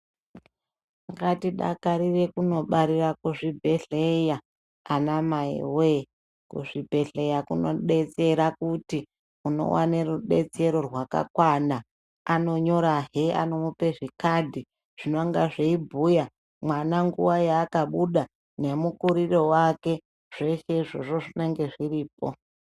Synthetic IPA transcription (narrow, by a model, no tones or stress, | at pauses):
ŋɡatiɗa̰kaɾire̞kuno̞ɓaɾirakuʐibʱe̞ɬejaː | namaḭwe | kuʐibʱe̞ɬe̞jakuno̞̰ɗe̞t͡se̞ɾakuti | uno̞̰wa̰neruɗe̞t͡se̞ɾo̞rwaka̰kwana | ano̞ɲo̞ɾaɦea̰no̞mupe̞ʐikadʱi | ʐ̥inoŋɡaʐeibʱuja | mwanaŋɡuwajaːkaɓuɗa | nemukuɾiro̞wake̞ | ʐ̥e̞ʃeʐo̞ʐo̞ʐineŋɡe̞ʐiriːp̚o